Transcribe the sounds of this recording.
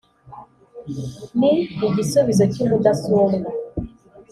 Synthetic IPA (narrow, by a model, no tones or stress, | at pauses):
niiɡisuβizocimudasuomɡa